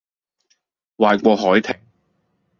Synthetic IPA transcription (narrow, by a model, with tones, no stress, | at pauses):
waː˨jkʷɔː˧ɦɔː˨˥jt̪ʰɪ˨˩ŋ